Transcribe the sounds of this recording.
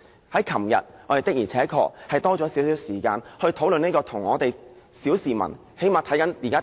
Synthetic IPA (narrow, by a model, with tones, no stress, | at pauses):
hɐ˨˥jkʰɐ˨˩mjɐ̰˨t̚ŋɔː˧te˨jt̪ɪ˥k̚jiː˨˩t͡sʰɛː˨˥kʰɔ̰ː˧k̚hɐ˨jt̪ɔː˥t͡ʃɔː˨˥siː˨˥wsi˨˥wsiː˨˩kaː˧nhɵ˧ɥt̪ʰo˨˥wlɵ˨neː˥kɔː˧t̪ʰʊ˨˩ŋːɔː˨˧t̪e˨j | siː˨˥wsiː˨˩mɐ̰˨˩n | he˨˥jmaː˨t̪ʰɐ˨˥jkɐ˨˥njiː˨˩kaː˥